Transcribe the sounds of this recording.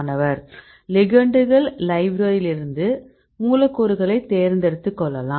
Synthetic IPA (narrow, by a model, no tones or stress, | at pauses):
nɐʋɐɾ | lɪɡɐɳɖɯɣɐɭlɐɪbɾoːjɪlɪɾɯnd̪ɯ | muːlɐkːuɾɯɣɐɭɐɪt̪ːeːɾnd̪ɛɽɯt̪ːɯkːɔɭːɐlaː